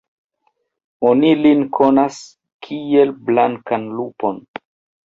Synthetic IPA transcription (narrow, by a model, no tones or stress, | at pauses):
onilinkʰo̞nas | kʰielblaŋkanlupo̞n